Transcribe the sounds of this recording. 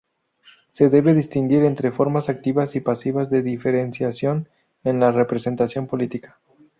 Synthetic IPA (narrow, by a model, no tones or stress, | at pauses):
se̞ðe̞βeðist̪iŋɡiɾent̪ɾe̞fo̞ɾmasak̚t̪iβasipasiβazðe̞ðife̞ɾensjasjo̞n | enlare̞pɾese̞nt̪asjo̞mpo̞lit̪ikḁ